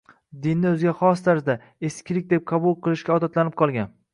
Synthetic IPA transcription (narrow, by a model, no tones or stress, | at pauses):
d̪ɪnːɪɵzɡʲaχɒst̪ʰaɾzɪd̪a | eskʲʰɪlɪk̚ʲd̪e̞p̚qʰɑbulˠqʰɨlˠɪʃkʲaɒd̪at̪lanɪp̚qʰɒlˠɡʲan